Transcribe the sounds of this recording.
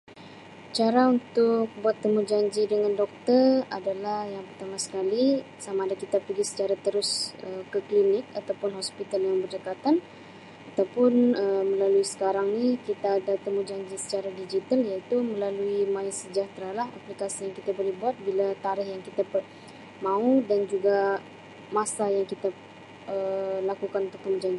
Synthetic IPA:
t͡ʃaɾaunt̪ʊk̚buat̪ːəmud͡ʒaɲd͡ʒidəŋandɔk̚t̪əra̰dalahjaŋpərt̪amasə̥kali | samaːdakit̪apərɡisə̥t͡ʃaɾat̪əɾʊsəkəklinɪk̚at̪awpʊnɦɔspit̪aljaŋbərd͡ʒakat̪an | at̪awpʊnəmə̃laluisə̥kaɾaŋnikit̪aːdat̪əmud͡ʒaɲd͡ʒisə̥t͡ʃaɾadid͡ʒit̪aljait̪umə̃laluimãɪnsəd͡ʒaht̪ɾalaɦa̰plikasijaŋkit̪abolihbuat̪̚bilat̪aɾɪhjaŋkit̪apə | mãudand͡ʒuɡa | masajaŋkit̪a | əlakukanunt̪ʊk̚t̪əmud͡ʒaɲd͡ʒi

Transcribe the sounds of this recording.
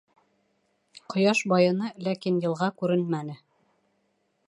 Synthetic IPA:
qŏjɑʃbɑjɤ̆nɤlækinjɤ̆lˠʁɑkʉɾɘnmænɘ

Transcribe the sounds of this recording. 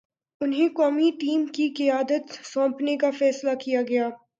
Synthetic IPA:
ʊnɦẽkɔːmiʈiːmkikɪjaːd̪ət̪sɔ̃ːpnekafɛːslakijaɡɐjaː

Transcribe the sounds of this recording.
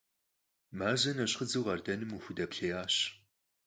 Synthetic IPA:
maːzɐnɐɕʼχəd͡zɨwʁɐrdɐnɨmuxʷʊdɐpɬeːjaːɕ

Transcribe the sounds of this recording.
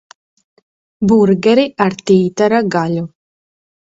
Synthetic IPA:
buɾɡɛɾiʔaɾt̪iːt̪aɾaɡaʎu

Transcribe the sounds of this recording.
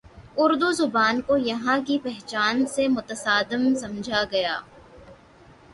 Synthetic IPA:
ʊɾd̪uzʊbaːnkojɐɦãk̬ipɛɦt͡ʃaːnsemʊt̪əsaːd̪ɪmsɐmd͡ʒʱaɡɐjaː

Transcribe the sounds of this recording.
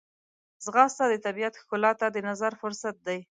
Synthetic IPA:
zɣɑst̪ɑd̪ət̪abiat̪xkʊlɑt̪ad̪ənazaɾfʊɾsat̪̚d̪aj

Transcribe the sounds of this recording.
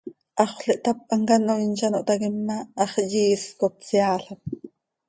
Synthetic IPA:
ʔɑχʷɬɛʔt̪ɑp̚ʔɑŋkɑnoint͡ʃɑnoʔt̪ɑkimːɑʔɑχjiːskop̚siɑːɬɑp̚

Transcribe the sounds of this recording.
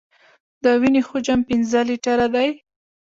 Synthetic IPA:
d̪əwinexod͡ʒampɪnzəliʈaɾad̪aj

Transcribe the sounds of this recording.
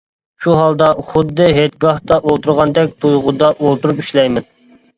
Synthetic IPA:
ʃuɦɑlˠd̪ɑχʊd̪ːɨɦet̪̚ɡɑht̪ɑʔolˠt̪uɾʁɑnd̪ɛk̚ʲt̪ʰujʁud̪ɑʔolˠt̪uɾupiʃlɛjmɪn

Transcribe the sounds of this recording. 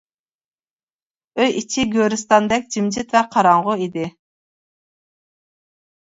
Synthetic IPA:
øjit͡ʃʰiɡʲøɾyst̪ɑnd̪ɛk̚ʲd͡ʒimd͡ʒɪt̪vɛqʰɑɾɑɴʁʊid̪ɪ

